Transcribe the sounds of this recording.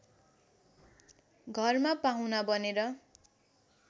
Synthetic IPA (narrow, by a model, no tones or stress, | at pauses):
ɡʱʌrmapaw̃nabʌneɾʌ